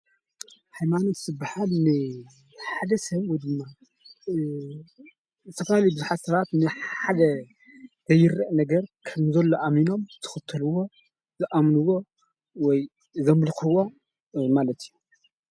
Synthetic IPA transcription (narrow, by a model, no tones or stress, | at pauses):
hajmano̞t̪z̥ɨbːaħalnɨ | ħad̪ɐsɐβwɔjd̪ɨmːa | zɨt̪ʰɐfalijbɨzuħat̪sɐβat̪nɨħad̪ɐ | z̥ɐjːɨɾːɐʔnɐɡɐɾkʰɐmzɐlːoʔamino̞mt̪ʰɨ̥xɨt̪ʰːɐluwo̞ | zɨʔamnɨwo̞ | wɔj | zɐmlxɨwo̞ | malɐt̪ʰiju